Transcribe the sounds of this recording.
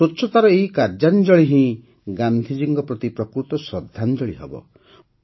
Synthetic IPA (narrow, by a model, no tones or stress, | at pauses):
otːʃʰɔt̪aɾɔeikaɾd͡ʒand͡ʒɔɭiɦĩ | ɡand̪ʱid͡ʒiŋɡɔpɾɔt̪ipɾɔkɾut̪ɔsɾɔd̪ʱːand͡ʒɔɭiɦḛbɔ̰